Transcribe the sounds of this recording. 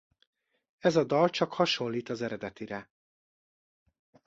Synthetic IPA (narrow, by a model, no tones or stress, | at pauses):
ɛzɒd̪ɒlt͡ʃɒkhɒʃo̞lːiːt̪ɒzɛɾɛd̪ɛt̪iɾɛ